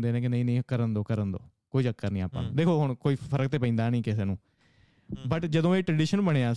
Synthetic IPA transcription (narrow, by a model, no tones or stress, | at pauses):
nd̪eːnẽːk̬ɪnə̃ĩːnəĩːkəɾənd̪oːkəɾənd̪o̰ː | koːiːd͡ʒəkːəɾnĩːa̰ːpã̰ːnũːd̪eːkʰoːɦʊɳ̃koːiːpʰəɾək̚t̪eːp̬ə̃ːnd̪aːnəĩːkɪseːnũː | bəʈd͡ʒəd̪õːeːʈɾɖiːʃənbəɽ̃eːaː